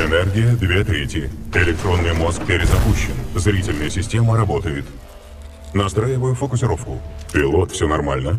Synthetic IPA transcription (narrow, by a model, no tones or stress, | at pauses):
ɛnɛrɡʲɪjəd̪vʲe̞t̪ɾʲetʲjəɪlʲɪk̚t̪ɾo̞nːɨjmo̞sk̚pʲɪɾʲɪzɐpuɕːɪnzɾʲitʲɪlʲnɨjəsʲɪsʲtʲe̞məɾɐbo̞t̪əjɪt̪ | nɐst̪ɾajɪvəjʊfəkʊsʲɪɾo̞fkʊpʲɪlˠo̞t̪fsʲonɐrmalʲnə